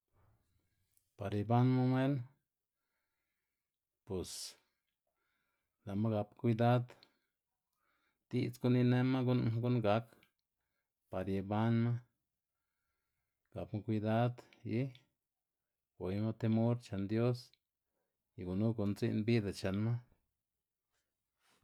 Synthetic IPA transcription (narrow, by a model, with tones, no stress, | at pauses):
pa˨ɾje˧ba˦nma˦me˦n | pe˨s | la˨ma˦ɡa˧pkʷi˧d̪a˦d̪ | d̪̥i˧t͡sɡu˦ni˧ne˦ma˦ɡu˦nɡu˦nɡa˧˦k | pa˨ɾje˧˨ba˦nma˦ | ɡ̥a˨pma˦˧kʷi˧d̪a˦d̪ji˦ | wʷe˨jma˦t̪e˧mo˦ɾt͡ʃa˨nd̪jo˦s | i˨ɡu˨nu˦ɡo˨nzi˦nbi˦d̪a˨t͡ʃa˨nma˦